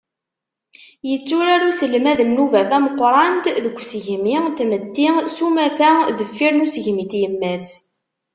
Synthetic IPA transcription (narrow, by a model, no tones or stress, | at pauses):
jət͡sːʊɾaɾusəlmæðənːuvæθæməqːɾˤɑnt̪ðəkʷːsəʝmit̪məd̪ːisumæθæðəfːiɾnusəʝmiθjəmːæt͡s